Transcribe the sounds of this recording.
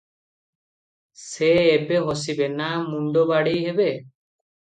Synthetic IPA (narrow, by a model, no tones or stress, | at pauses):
seːbeɦos̬ibɛnamuɳɖɔbaɽijɦebe